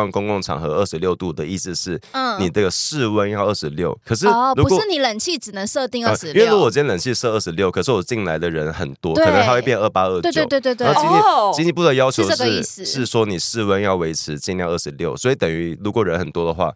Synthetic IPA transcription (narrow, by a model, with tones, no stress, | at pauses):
a˥nkʊ˥ŋkʊ˥˩ŋʈ͡ʂʰɑ̰˨˩ŋxɤ˧˥ə˥˩ʂɻ̩˧˥ljo˥˧ʊt̪u˥˩d̪ə˩i˥˩s̩˧ʂɻ̩˥˩˥ni˨˩ʈ͡ʂə˥˩ɡə˩ʂɻ̩˥˧wə˦njɑ˥˧ʊə˥˩ʂɻ̩˧˦ljo˥ʊkʰə˨˩ʂ̬ɻ̩˥˩lu˧˥kʂɻ̩˥˩ni˨˩˦lə˨˩nt͡ɕʰi˥˩ʈ͡ʂɻ̩˨˩nə˧˦ŋʂɤ˥˧t̪i˥˧ŋə˥˧˩ʂ̩˧˥˩lu˧˥kjɛ˥lə˨˩nt͡ɕʰi˥˧ʂɤ˥˧ə˥˩ʂ̩˧˥ljo˥˩ʊkʰə˨˩ʂɻ̩˥˩˨wɔ˨˩t͡ɕi˥˩nla˧˥ɪd̪ə˨ɻə˧˦nxə˨˩nt̪wɔ˦˥˨ə˧˦xa˥wp̬jɛ˥˧nə˥˩pa˥ə˥˩t͡ɕjt̪we˥˧t̪we˥˧t̪ĩ˥ni˥t͡ɕi˥ni˧˥pu˥˩d̪ə˩jɑ˥ʊt͡ɕʰjo˧˥ʂɻ̩˥i˥˩s̩˨˩ʂɻ̩˥˩ʂwɔ˥ni˨˩ʂɻ̩˥˧wə˦njɑ˥˩ʊwe˧˥ɪʈ͡ʂ̩ʰ˧˦t͡ɕi˥˧nljə˥˩ʂɻ̩˧˦ljo˥˩ʊswɔ˧˥i˨˥t̪ə˨˩ŋy˧˥lu˧˥kwɔ˨˩ɻə˧˦nxə˨˩nt̪wɔ˥d̪ə˨xwa̰˥˩